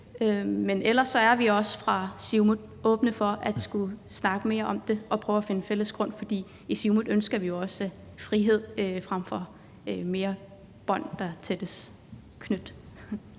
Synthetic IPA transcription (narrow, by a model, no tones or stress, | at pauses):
ømenʔelɐsːɒ̽æɐʋiɒ̽sə̥fʁɑ̈siʊmuðˠʔɔ̽ːb̥nəfɒ̽ʔæd̥sɡ̥usnɑ̈ɡ̥əme̝ːɐʔɒ̽md̥e̝ɒ̽pʰʁœːʊæfe̝nəfel̰əsɡ̥ʁɔ̽n̰fɒ̽d̥ḭː | isimuðˠønsɡ̥ɐʋijo̝ɒ̽sə | fʁiɦe̝ð̞̰ˠfʁam̰fɒ̽ | me̝ːɐ | b̥ɒ̽n̰d̥ɑ̈t͡sʰed̥əs | kʰnød̥